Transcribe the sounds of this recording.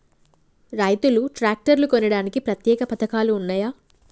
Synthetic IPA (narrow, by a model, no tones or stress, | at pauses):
ɾɐjt̪uluʈɾaːk̚ʈɐɾlukonɐɽaːnikipɾɐt̪jɛːkɐpɐt̪ɐkaːluːnːaːjaː